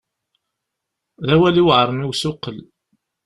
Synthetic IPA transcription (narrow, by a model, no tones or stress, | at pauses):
ðæwæliwʕɾˤəmiwsʊqːəl